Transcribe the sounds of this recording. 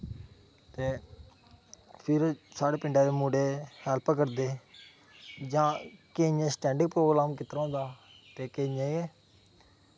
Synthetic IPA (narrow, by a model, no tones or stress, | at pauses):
t̪eː | pʰɪɾsaːɽeːpɪɳɖaːd̪eːmuːɖeːhɛːlpkəɾd̪eː | d͡ʒãːkeːɲẽːsʈɛ̃ːɳɖɪŋɡ̚pɾoːɡɾaːmkɪt̪ɾãːnd̪aː | t̪eːkeːɲẽːiɛː